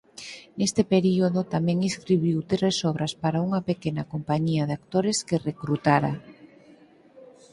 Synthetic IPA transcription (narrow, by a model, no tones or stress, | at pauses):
nest̪epeɾioðot̪amɛ̃ŋiskɾiβiwt̪ɾesɔβɾaspaɾauŋɐpekenakompaɲiaðak̚t̪oɾeskerekɾut̪aɾa